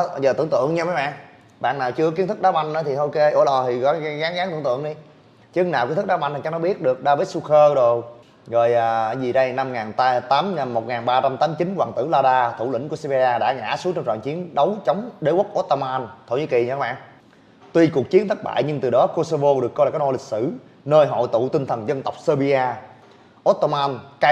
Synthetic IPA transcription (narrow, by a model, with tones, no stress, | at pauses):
zəː˨˩t̪ɨ̰˧˩əŋt̪ɨ̰˧˨əŋɲa˧ma˨˦ɓa̰ː˧˨n | ɓa̰ː˧˨naː˨˩wt͡ɕɨ˧kki˧˦ənt̪ʰk̚ɗaː˨˦ɓa˧ŋnʔə˨˦t̪ʰi˨˩ʔo˧ke˧ʔo̰˧˩ə˦lɔ˨˩t̪ʰi˨˩kɔ˨˦˧ɣaː˨˦ŋɣaː˨˦ŋt̪ɨ̰˧ə˦nt̪ɨ̰˧˨əŋɗi˧ | t͡ɕɨ˨˦əŋnaː˨˩wi˧˦nt̪ʰk̚ɗa˨˦ɓa˧nt̪t͡ɕa˦˥nɔ˨˦ɓi˦˥ət̚ɗɨ˨˩ək̚ɗaː˧və˨˦˥t̚su˧xəː˧zo˨˩ | ɣo˨˩jʔaː˨˩˨zi˨˩ɗə˧jna˧mŋaː˨˩nt̪a˧t̪aː˨˦ma˨˩mːo˨˩t̚ŋaː˨˩nɓaː˧t͡ɕa˧mt̪aː˨˦mt͡ɕi˨˦nkwaː˨˩ŋt̪ɨ̰˧˩laː˧ɗaː˧t̪ʰu˧˩lḭ˧˩ŋ̟ku˧˩əse˧ɓi˧zaː˧ɗa̰ː˧˥ŋa̰ː˧˥su˨˦ŋt͡ɕɔ˧ŋ͡mt͡ɕɔ̰ː˧˨ŋt͡ɕi˨˦ənɗə˨˦wt͡ɕə˨˦wŋ͡mɗe˨˦wə˦˥k̚ʔo˦˥t̚t̪o˧maː˧nt̪ʰo̰˧˨˩ɲḭ˧˦ki˨˩˨ɲɨ˧˥a˧˦ɓa̰ː˧˨nʔ | t̪wi˧ku˨˩ək̚t͡ɕi˨˦ənt̪ʰə˦˥t̚ɓa̰ː˧˨jɲɨ˧ŋt̪ɨ˨˩ɗɔ˨˦ko˧so˧vo˧ɗɨ˨˩əkːɔ˧jla˨˩kːaː˨˦nɔ˧˩lï˨˩k̟̚sɨ˧˩ | nəː˧jɦɔ̰˧˨jt̪ṵ˧˨t̪i˧ŋ̟t̪ʰə˨˩nzə˧nt̪ə˨˩wk͡p̚səː˧ɓi˧aː˧ | ʔo˦˥t̚t̪o˧maː˧nka˧